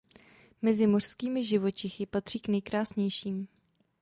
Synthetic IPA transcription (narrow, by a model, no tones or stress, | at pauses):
mɛzɪmor̥skiːmɪʒɪvo̞t͡ʃɪxɪpat̪r̝̥iːknɛjkɾaːsɲɛjʃiːm